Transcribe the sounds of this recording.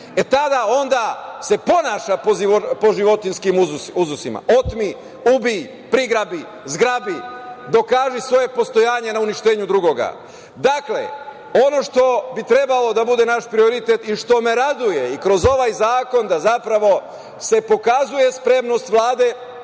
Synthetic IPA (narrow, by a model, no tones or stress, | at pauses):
e̞t̪ad̪ao̞nd̪ase̞po̞naːʃapoopo̞ʒiʋo̞t̪inskimuzuuzusima̰ʔo̞t̪mi | ubi | pɾiɡɾabi | zɡɾabid̪o̞kaːʒisʋo̞je̞post̪ojaːɲe̞nauniʃt̪eːɲud̪ɾuɡo̞ɡa̰ | d̪aklḛ | o̞no̞ʃt̪o̞bit̪ɾe̞balo̞d̪abud̪enaʃpɾio̞ɾit̪et̪iʃt̪o̞me̞ɾad̪uje̞ikɾo̞zo̞ʋajzaːko̞nd̪azapɾaʋo̞ | se̞po̞kazuje̞spɾe̞mno̞st̪ʋlˠaːd̪e̞